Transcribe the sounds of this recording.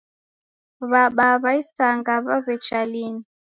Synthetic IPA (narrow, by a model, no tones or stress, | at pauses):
βaɓaβaisaŋɡaβaβɛt͡ʃalini